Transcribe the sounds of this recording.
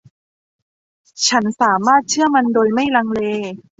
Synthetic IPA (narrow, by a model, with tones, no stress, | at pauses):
t͡ɕʰa˦˥nsaː˩˦maː˥˩t̪̚t͡ɕʰɯ˥˩ɐma˧ndoː˧jma˥˩jla˧ŋleː˧